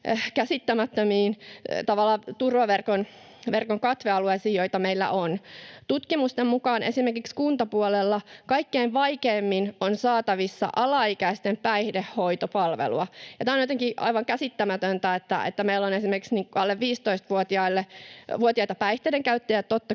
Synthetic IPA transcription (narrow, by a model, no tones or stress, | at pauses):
kæsit̪ːæmæt̪ːømiːnt̪ɑʋɑlːɑːt̪urʋɑʋerkon | ʋerkoŋkɑt̪ʋeɑluesiːjo̞it̪ɑmeilːæ̰ʔont̪ut̪kimust̪emmukɑːnʔḛsimerkikskunt̪ɑpuolelːɑkɑikːeinʋɑikeːmːinonsɑːt̪ɑʋisːɑ̰ʔɑlɑikæist̪empæihdehːoit̪opɑlʋḛlṵɑjɑt̪æonjot̪eŋkiʔɑ̰ijʋɑŋkæsit̪ːæmæt̪ønt̪æet̪ːæ̰ḛt̪ːæmeilːonesimerkiksniːŋkɑlːeʋʋiːst̪oist̪ʋuot̪iɑilːeʋuot̪iɑit̪ɑpæiht̪eideŋkæyt̪ːejætt̪ot̪ːɑ